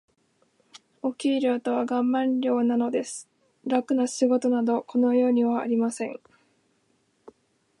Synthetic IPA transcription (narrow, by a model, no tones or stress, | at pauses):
o̞kʲiːɾɯat̪o̞β̞aɡãmːãnɾʲo̞ːnano̞d̪e̞sɨ̥ | ɾakɯ̟naɕiɡo̞t̪o̞nad̪o̞ko̞no̞jo̞ːɲ̟iβa̰ːɾʲimasẽ̞ŋ